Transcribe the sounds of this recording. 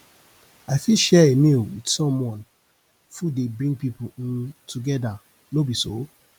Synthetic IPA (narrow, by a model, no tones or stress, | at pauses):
aɪfiʃɛemilwidsɔ̃mwɔ̃n | fudebɹĩŋɡ̚pipũtʰuɡɛda | nobiso